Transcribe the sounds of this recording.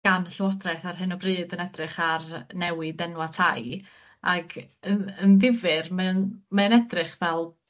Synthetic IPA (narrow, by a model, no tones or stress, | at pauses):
ɡ̥anɬwɔdrajθarɦɨnɔbrɨːdənɛdrɨχarnɛwɨdɛnwatʰaj | aɡəənðɪvɨrmanmaənɛdrɨχvɛlˠ